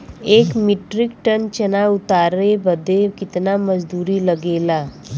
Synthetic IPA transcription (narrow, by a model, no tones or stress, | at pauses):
ekmiʈɾikʈənt͡ɕənaut̪aɾebəd̪ʱekit̪naməd͡ʒd̪uɾiːləɡela